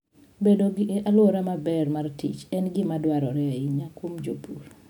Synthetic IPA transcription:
bedoɡɪʔeʔaloɾamabɛrmartḭt͡ʃɛnɡɪmadwaɾɔɾɛaiɲakwomd͡ʒopur

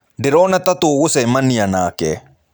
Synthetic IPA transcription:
d̪ɪɾoːnɐt̪ɐt̪uːɣʊsɛmɐnːɪjɐnaːkɛ̰

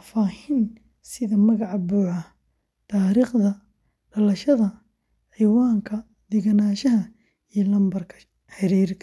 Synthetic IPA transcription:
faːhɪn | sɪðɐmɐɣɑʕɑbuːʕɐ | t̪ʰaːɾiːχd̪ɐ | ɖ̥ɐlɐʃɐðɐ | ħijwaːŋkʰɐ | d̪̥ɪɣɐnaːʃɐɦɐ | ijɔlɐmbɐrkʰɐ̥ | ħɪɾiːrkʰ

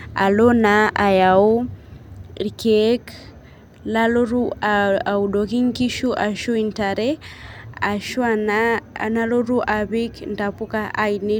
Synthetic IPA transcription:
a̰lonaʔajau | ɾikek | laloɾuaaudokiŋkiʃuʔaʃuintaɾe | aʃuananaloɾuʔaβikndapukaʔaini

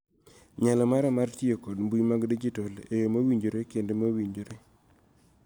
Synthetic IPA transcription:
ɲalɔmaɾɛmaɾtjekodmbujmaɡdid͡ʒitolejomawiɲd͡ʒoɾekendemawiɲd͡ʒoɾe

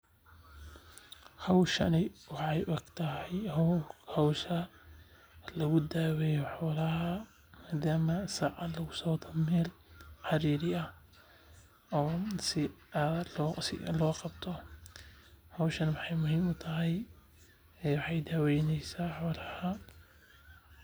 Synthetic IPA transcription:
hɐwʃɐ̰nɪwɑħɑjʔɔɡt̪ʰɐɦɛj | hɐwʃɐ | lɐɣʊd̪aːwɛjɔħɔːlɐhɐ | maːd̪aːmɐsɑːʕɑlɐɣʊsɔwt̪ʰɐmɛːlħɑɾiːɾɪɐ | ʔɔːsɪalːsɪ̰lɔːqɑbt̪ʰɔ | hɐwʃɐnwɑħɑjmʊhɪmʊt̪ʰɐɦɛj | wɑħɑjd̪aːwɛjnɛjsaːħɔːlɐhɐ

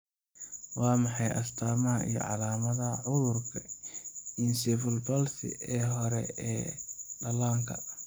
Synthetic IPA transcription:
wɑːmɑħɑjʔɐst̪ʰaːmɐɦɐʔḭjɞ̰ʕɑlaːmɐðɐʕʊðʊrkʰɐ | ɪnsɪfɪlbɔlsɪ̰ɛːɦɔɾɛ̰ɛːɖɐlaːŋkʰɐ

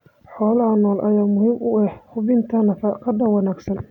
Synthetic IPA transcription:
ħɔːlɐɦɐnɔːlʔɐ̰jaːmʊɦiːmʊɛhhʊbɪnt̪ʰɐnɐfaqʰɐd̪ɐwɑnaːɡsɐn

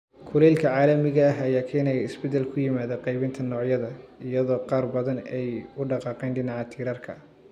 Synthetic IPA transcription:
kʰʊlɛːlkʰɐʕaːlɐmɪɣɐɦɐjaːkʰɛːnɛjɐɪsbɛd̪ɛlkʰʊjɪmaːðɐqɛjβɪnt̪ʰɐnɔːʕjɐðɐɪjɐðɔːqɑːrbɐðɐnɛjʊɖɑqɑːqɛːnɖɪnɑʕɑt̪ʰiːɾɐrkʰɐ̰

